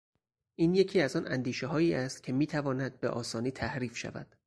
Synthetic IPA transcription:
ʔiːnje̞cʰiːæzɒnʔænd̪iːʃeɦɒːiːæst̪̚cʰe̞miːt̪ʰævɒːnæd̪̚beʔɒːsɒːniːt̪ʰæhɾiːfʃæ̰væ̰d̪̥

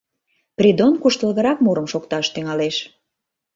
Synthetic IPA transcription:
prʲid̪onkuʃt̪əlɣəɾɑkmuɾəmʃokt̪ɑʃt̪yŋɑleʃ

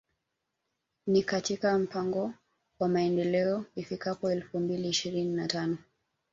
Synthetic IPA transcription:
nikatikam̩paŋɡɔ | wamaɛndɛlɛɔifikapɔɛlfumbiliːʃiɾininatanɔ

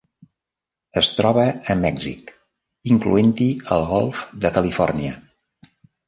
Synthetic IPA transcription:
əst̪ɾɔβəːmɛɡzḭk | iŋklṵent̪iəlˠɣɔlˠfðəkəlifɔrniə

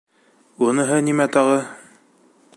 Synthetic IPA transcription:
unɤ̆ɦɤnimæt̪ɑʁɤ

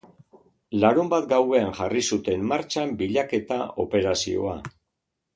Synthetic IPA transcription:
laɾumbat̪ɡawe̞aŋʝarisut̪e̞mːaɾt͡ʃambiʎake̞t̪ao̞̰pe̞ɾasḭo̞̰a̰

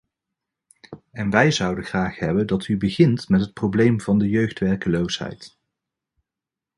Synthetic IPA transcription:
ɛnʋɛjzʌwdəχraːχɦɛbəndɑtybəχɪntmɛtɦət̚prowblejmvɑndəjøɥχtʋɛɹkəlowsɦɛ̰jt

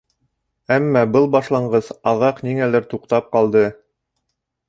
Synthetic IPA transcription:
æmːæbɤlˠbɑʃlˠɑɴɢɤsɑʁɑqniŋælɘɾt̪uqt̪ɑp̚qɑlˠd̪ɤ

